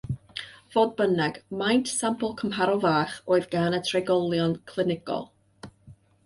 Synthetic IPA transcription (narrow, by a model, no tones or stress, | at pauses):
v̥oːd̚bənɛɡ̥majntsampəlˠkʰəmɦaɾɔvaːχoːɨðɡaːnətʰreɡɔlˠjɔnkʰlˠɪnɪɡɔ̰lˠ